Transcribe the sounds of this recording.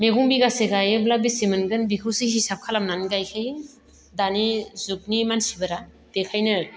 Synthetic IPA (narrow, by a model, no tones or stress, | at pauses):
meɡuŋbiɡaseɡajeblabisimɯnɡɯnbikʰɯwsiɦisap̚kʰalamnanɡajkʰɯj | danizuk̚nimansibɯɾa | d̥ekʰajnɯ